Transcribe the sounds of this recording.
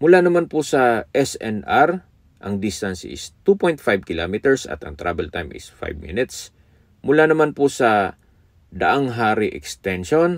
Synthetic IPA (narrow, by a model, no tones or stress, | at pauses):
mʊlaːnɐmanpʊsɐʔɛsɛnʔaɾ | ʔɐŋd̪ist̪ansɪ̰st̪upojnt̪fajb̚kɪlamɪt̪ɛɹsɐ̰t̪ɐ̰ŋt̪ɾa̰bɛlt̪ajmʔɪ̰sfa̰jbmḭnɪt̪s | mʊlaːnɐmanpʊsɐ | d̪ɐʔaŋɦaːɾɪʔɛkst̪ɛnʃon